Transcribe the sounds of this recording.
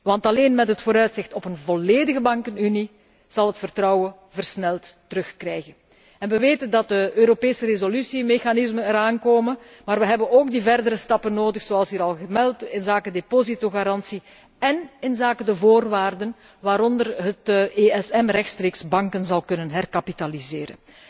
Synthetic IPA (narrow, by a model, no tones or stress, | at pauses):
ʋɑntɑleːnmɛtɦətfoːɾœɥtsɪxtɔpənvɔleːdəɣəbɑŋkənyni | z̥ɑlˠɦətfərtrɑwə | vərsnɛlˠtː | əɾɵxkrɛjɣən | ɛnʋəʋeːtəndɑt̚dəʔøːɾopeːsəɾezolysimexanɪzmənɛɾaːnkoːmən | maːrʋəɦɛbənoːɡ̚divɛrdəɾəstɑpənːoːdəxsoɑlˠsɦiːɾɑlˠɣəmɛlˠtɪnzaːkədepozitoɣaɾɑnsi | ɛnɪnzaːkədəvoːrʋaːrdən | ʋaːɾɔndərɦəteɛsɛmrɛxtstreːksbɑŋkənzɑlˠkɵnənɦɛrkapitalizeːɾə̰n